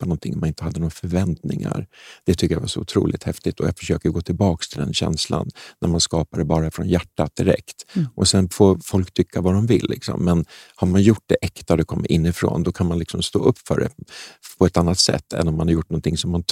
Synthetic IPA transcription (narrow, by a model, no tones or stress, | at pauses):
panɔnt̪ʰɪŋːɔmanɪnt̪əhad̪ənoːɡɾafœɾvɛnt̪nɪŋa̰ɾd̪̥ɛt̪ʰʏkːəjavaʂɔʊt̪ʰɾṵːlɪt̪hɛft̪ɪt̪ʰɔja̰fœ̥ʂøːkəɡoːt̪ʰɪlbɑːkst̪ʰɪld̪ɛ̰nɕɛ̰nsla̰nːæɾmanskɑːpad̪ɛbɑːɾafɾɔnjæʈːat̪̚d̪ɪɾɛ̰kt̪ʔɔsɛnfoːfɔlkt̪ʰʏkʰːavad̪ɔmvɪlːʔɪksɔ̰mːɛnhaɾmanjʊʈ̚ːd̪ɛʔɛkt̪ad̪ɛkʰɔmːəɾʔɪnːɪfɾo̰ːnd̪ɔkʰanmanlɪksɔmst̪o̰ːʔɵpːfœ̰ːɖɛ̰pʰɔɛt̪anːat̪sɛ̰t̪ːɛ̰nːɔmanhaɾjʊʈːnɔnt̪ʰɪŋsɔmːan